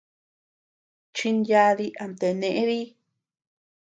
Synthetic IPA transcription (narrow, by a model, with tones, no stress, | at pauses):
t͡ʃi˧nja˧ði˦ʔa˨nt̪e˨nẽ˨ʔẽ˦ði˦